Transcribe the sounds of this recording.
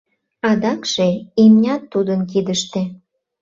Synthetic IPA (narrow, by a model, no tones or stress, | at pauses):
ɑd̪ɑkʃeimnʲɑt̪ːud̪ənkid̪əʃt̪e